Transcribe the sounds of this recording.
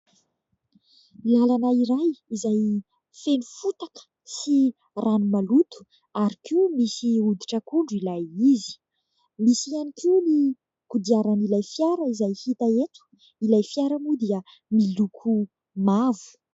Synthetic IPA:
ilalanaiɾajizaj | fenufut̪akə̥ | si | rʔanumalut̪u̥ | aɾikimisiud̪iʈ͡ʂəkuɳɖ͡ʐuilajizi̥ | misianikini | kud̪iaɾanilajfjaɾəizajhit̪aet̪u̥ | ilajfjaɾamud̪iə | milukʰu | mavu̥

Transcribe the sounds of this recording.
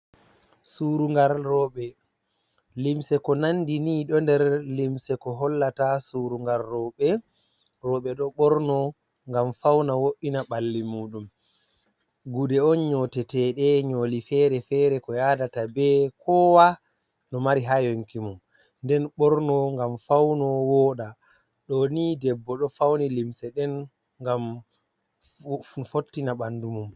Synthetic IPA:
suːɾuŋɡaɾrɔɓɛ | limsɛkɔnandiniːɗɔndɛɾlimsɛkɔɦɔlːatasuɾuŋɡalːɔɓɛ | ɾɔːɓɛɗɔɓɔɾnɔ | ŋɡamfawnawoʔinaɓalːimuːɗum | ɡudɛɔnɲɔtɛtɛɗɛɲoːlifɛɾɛfɛːɾɛkɔjadatabɛkʰɔwa | nɔmaɾiɦajoŋkimum | ndɛnɓɔɾnɔŋɡamfawnɔwɔːɗa | ɗɔnidɛbːɔɗɔfawnilimsɛɗɛn | ŋɡam | fotːinaɓandumum

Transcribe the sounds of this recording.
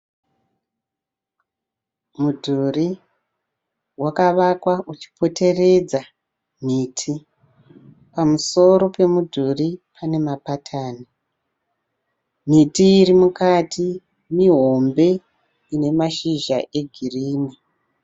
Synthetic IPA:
mudʱuri | wakaʋakwaʔut͡ʃi̥pʰo̞te̞re̞d͡za | m̤iːtʰi | pamuso̞ɾo̞pe̞mudʱuripʰane̞mapatʰaːni | m̤itiːɾimukatʰi | miɦo̞mbe̞ | ine̞maʃiʒaʔe̞ɡʱiriːni

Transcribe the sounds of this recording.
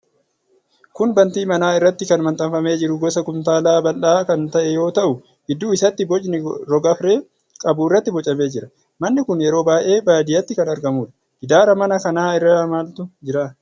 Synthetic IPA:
kʊnbɐnt̪iːmɐnaːɪrːɐt̪ːɪkɐnmɐnt̪ʼɐmfɐme̞ːd͡ʒɪɾʊɡɔsɐkʊmt̪aːlaːbɐlːaːkɐnt̪ɐʔɛjo̞ːt̪ɐʔʊ | ɡɪd̪ːuːɪsɐt̪ːɪbɔt͡ʃnɪɾɔɡɐfɾe̞ː | kʼɐbuːɪrːɐt̪ːɪbɔt͡ʃʼɐme̞ːd͡ʒɪɾɐ | mɐnːɪkʊnjɛɾo̞ːbaːʔe̞ːbaːd̪ɪjɐt̪ːɪkɐnɐɾɡɐmuːᶑɐ̥ | ɡɪd̪aːɾɐmɐnɐkɐnaːɪrːamaːlt̪ʊd͡ʒɪɾaː

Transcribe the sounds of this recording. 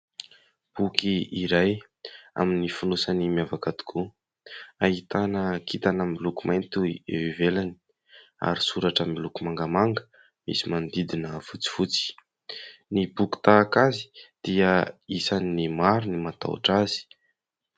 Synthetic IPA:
b̥ukiiɾaj | a̰minifunusanimiavakad̪u̥kʰu | aɦit̪anəkit̪anamilukumajnt̪uḛivelani̥ | a̰ɾisuɾaʈ͡ʂamilukumaŋɡamaŋɡə̥ | mḭsimand̪id̪inəvut͡si̥fut͡si̥ | nibuki̥t̪aːkazi̥d̪̥iəisaninimaɾunimat̪a̰wa̰ʈ͡ʂazi̥

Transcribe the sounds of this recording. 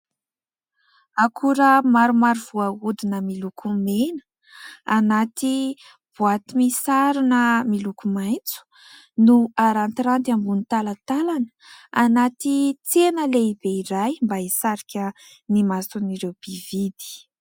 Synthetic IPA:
akʰuɾəmaɾumaɾiv̥uaud̪inəmilukʰumenə̥ | anat̪i | b̥uat̪imisaɾinəmilukumajnt͡su̥ | nuaɾant̪iɾant̪ambunit̪alat̪alanə̥anat̪it͡senəleibeiɾajmbaisaɾikʲə | nimasuniɾewb̥ivid̪i̥

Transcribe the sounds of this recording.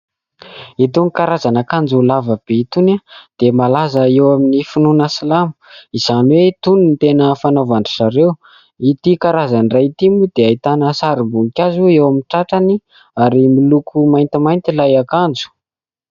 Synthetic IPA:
it̪unikaɾazanakand͡zulavəb̥eit̪unad̪̥emalazəewaminifununasalamu̥iz̥anwet̪ununt̪enəfanavanɖ͡ʐuʈ͡ʂaɾew | it̪ikaɾazanrajit̪imud̪̥eait̪anəsaɾimbukʲazuewaminʈ͡ʂaʈ͡ʂani | aɾimilukʰumajnt̪imajnt̪ilajakand͡zu̥

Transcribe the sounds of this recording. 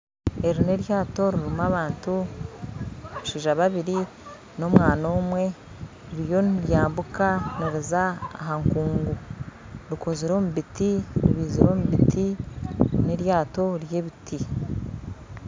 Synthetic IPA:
e̞ɾine̞ɾjaːto̞ɾiɾimaβaːntu | uʃiːʒaβaβiɾi | no̞mwaːno̞ːmwe̞ | ɾiɾjo̞niɾjaːmbukaniɾiza̰ːɦaŋkuːŋɡu | ɾiko̞ziɾo̞muβitiɾiβiːziɾo̞muβitʰi | ne̞ɾjaːto̞ɾje̞ːβitʰi

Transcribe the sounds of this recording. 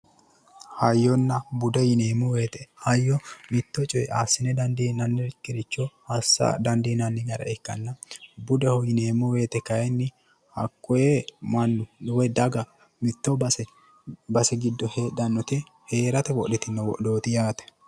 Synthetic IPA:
hɐjːɔnːɐbʊd̪ɔjɪneːmʊwe̞ːt̪ɛhɐjːɔmɪt̪ːɔt͡ʃʼɔjɛʔaːsːɪnɛd̪ɐnd̪iːnɐnːɪɾɪkːɪɾɪt͡ʃːɔhɐsːɐ̰d̪ɐnd̪iːnɐnːɪɡɐɾɐ̰ɛkːɐ̰nːɐbʊd̪ɛhɔjɪne̞ːmʊwe̞ːt̪ɛkɐjɛnːɪ | hɐ̰kːɔjɛmɐnːʊɗʊwɛd̪ɐɡɐ | mɪt̪ːɔbɐsɛ | bɐsɛɡɪd̪ːɔhed̪ɐnːɔt̪ɪ | he̞ːɾɐt̪ɛwɔɗɛt̪ɪnːɐwɔ̰ʔdo̞ːt̪ɪjaːt̪ɛ̥

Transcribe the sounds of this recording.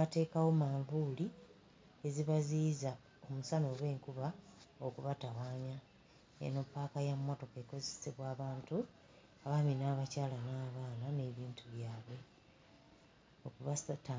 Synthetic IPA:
ate̞ːkawo̞maːɱvuli | e̞ziβaziːza | o̞musano̞ːɣwe̞ːŋkuβaokuβatawaːmja | ḛno̞pːaːkajammo̞to̞ke̞ko̞zeseβwaːβaːntu | aβaminaːβacaːlanaːβaːnane̞ːβiːntʰuβjaːβwe̞ | okuβatː

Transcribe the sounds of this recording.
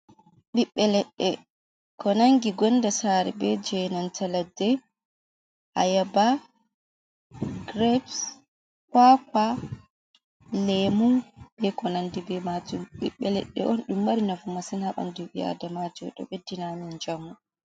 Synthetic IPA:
ɓiɓːɛlɛɗːɛ | kɔnaŋɡiɡɔndasaɾɛ̰bɛd͡ʒɛnantʰaladːɛ | ʔa̰jaba | ɡɾɛbs | kaka | lɛmub̥ɛkɔnandibɛmad͡ʒumɓiɓːɛlɛ̰ɗːɛ̰ʔɔnɗumːaɾinafumasɛnhaɓa̰ndubia̰damad͡ʒɔɗɔ̰ɓɛdinamind͡ʒamːu

